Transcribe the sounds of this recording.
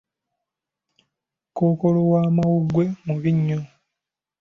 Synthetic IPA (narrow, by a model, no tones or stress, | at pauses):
ko̞ːko̞lowaːmawuɡwe̞muβiɲːo